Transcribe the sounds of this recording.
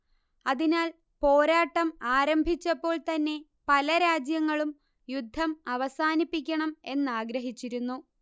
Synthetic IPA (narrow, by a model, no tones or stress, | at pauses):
ɐðinaːl | po̞ːɾaːʈːɐmaːɾɐmbʱit͡ɕːɐpːo̞ːɭt̪ɐnːe̞ | pɐlɐɾaːd͡ʑjɐŋːɐɭum | jud̪ʱːɐmɐʋɐsaːnipːik̬ʲːɐɳɐme̞nːaːɡɾɐɦit͡ɕːiɾunːu